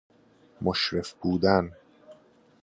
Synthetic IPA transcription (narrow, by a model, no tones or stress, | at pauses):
moʃɾefbuːd̪æn